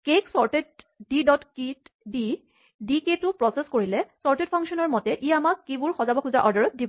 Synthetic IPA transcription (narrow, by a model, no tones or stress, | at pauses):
keksɔɹted̚ | didɔtkitdi | diketʊpɹɔseskoɹilɛsɔɹted̚pʰɔŋsɔnɔɹmɔtɛʔiamakːibʊɹxɔzabɔkʰuzaʔɔɹdaɹɔt̪̚dibɔ